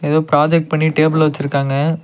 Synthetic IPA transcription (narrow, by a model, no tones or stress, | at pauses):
ɛðoːpɾaːd͡ʒɛk̚ʈ̚pɐɳːiʈeːbɪlʋɐt͡ʃːɪɾɯkːaːŋɡɐ